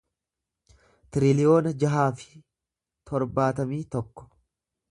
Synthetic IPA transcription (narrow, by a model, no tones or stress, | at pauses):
t̪ɪɾɪlɪjo̞ːnɐd͡ʒɐɦaːfɪ̥ | t̪ʰɔɾbaːt̪ɐmiːt̪ɔkːɔ̥